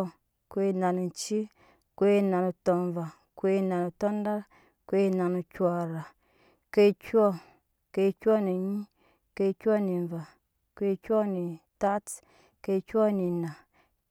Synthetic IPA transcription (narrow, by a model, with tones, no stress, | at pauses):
kʷe˦na˨nu˨n˨t͡ʃi˦ | kʷe˦na˨nu˨to˧nva˨ | kʷe˦na˨nu˨to˦n˦da˦ɾ | kʷe˦na˨nu˨kʲwa˧ɾa˨ | ke˦kʲɔ˦ | ke˧˦kʲɔ˦ni˨ɲi˦ | ke˧˦kʲɔ˦ni˨nva˨ | kʷe˦kʲɔ˦ni˨ta˦t | ke˧˦kʲɔ˦ni˨na˨